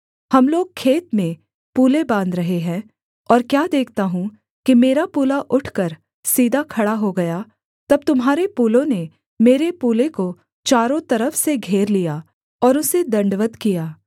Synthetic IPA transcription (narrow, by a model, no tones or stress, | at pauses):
hɐmloːɡ̚kʰeːt̪mẽ | puːlebãːnd̪ɾɐɦeɦɛ̃ː | ɔːɾkjaːd̪eːkʰt̪aɦũ | kimeːɾapuːlaʔʊʈʰkɐɾ | siːd̪ʱakʰɐɽaɦoɡɐja | t̪ɐb̚t̪ʊmɦaːɾepuːlõne | meːɾepuːleko | t͡ʃaːɾõt̪ɐɾəfseɡʱeːɾlija | ɔːɾʊsed̪ɐ̃ɳɖʋət̪kijaː